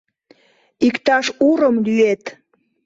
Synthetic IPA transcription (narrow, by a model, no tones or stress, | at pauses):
ikt̪ɑʃuɾəmlyet̪